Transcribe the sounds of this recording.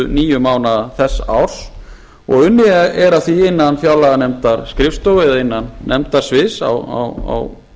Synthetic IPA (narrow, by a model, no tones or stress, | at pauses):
ʏniːjʏmaːwnaθɛsːawɾ̥s | ɔ̰ɣʏnːɪɛɾaθviɪnːanfjawlaɣanɛmt̪aɾskɾɪfst̪owvɪðaɪnːanːɛmt̪aɾ̥svɪsa̰wa̰wa̰w